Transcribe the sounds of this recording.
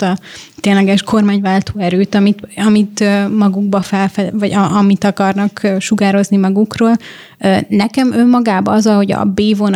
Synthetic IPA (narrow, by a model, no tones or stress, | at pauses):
t̪ɒt̪eːnlɛɡɛʃko̞rmaːɲvaːlt̪oːɛɾøːt̪ɒmit̪ɒmit̪ømɒɡuɡbɒfɛlfɛvɒɟɒʔɒmit̪ɒkɒrnɒkøːʃuɡaːɾo̞znimɒɡukroːl | ønɛkɛmømːɒɡaːbɒɒzɒlho̞ɟɒ̰beːvon